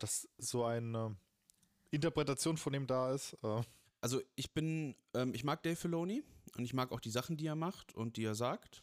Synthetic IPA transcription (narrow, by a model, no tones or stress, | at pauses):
d̥asz̥oːaɪnə | ʔɪntɐpʁ̥ɛtat͡sjoːnfɔndiːmdaːɪstʔɛː | ʔalzoʔɪçb̥ɪnʔɛːmɪçmaːk̚d̥ɛɪfɪloːniʔʊntɪçmaːkaʊxd̥iːzaχn̩d̥iːeːɐmaχtʊ̰nt̚d̥iːeːɐzaːkt